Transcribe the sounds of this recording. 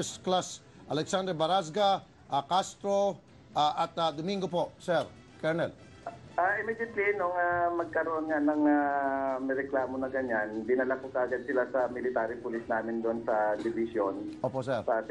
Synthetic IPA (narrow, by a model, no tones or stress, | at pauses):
sklas | ʔɐlɛksand̪ɛbɐɾas̬ɡa | ʔakast̪ɾo̞ | ʔaʔɐt̪ad̪omiŋɡopo̞sɛɾ | kɛɹnɛl | ʔaʔɪmɛd͡ʒɪt̪linoŋamɐɡ̚kɐɾoʔonŋanɐŋamɛjɾɛklaːmonɐɡɐɲanbɪnalakokɐɐɡad̪̚sɪlasɐmɪlɪt̪aːɾɪpʊlisnaːmɪnd̪oʔnsɐd̪ɪbɪsjonoːposɛɾɐs